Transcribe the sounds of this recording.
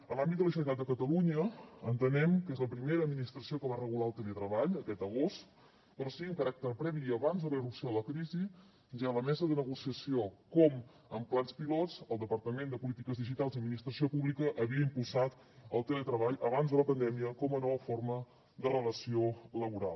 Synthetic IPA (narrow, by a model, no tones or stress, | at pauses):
əlambid̪d̪ələʒənit̪at̪d̪əkət̪əluɲəənt̪ənɛmkezləpɾimeɾəd̪minist̪ɾəsiokəβarəɣ̞ulaəlˠt̪əlet̪ɾəβaʎəkɛt̪əɣost̪ | pɾɔsiiəŋkəɾak̚t̪ərpɾɛβiəβanzðələirupsioðələkɾizi | ʒaləmɛzəðənəɣusiəsiokɔm | əmplanspilɔt͡səlˠd̪əpərt̪əmend̪əpulit̪ikəzðiʒit̪alˠziəd̪minist̪ɾəsiopuβlikəʔəβiəimpulˠsat̪ | əlˠt̪elet̪ɾəβaʎəβanzðələpənd̪ɛmiəkɔmənɔβəformə | d̪ərələsioləβuɾa̰lˠ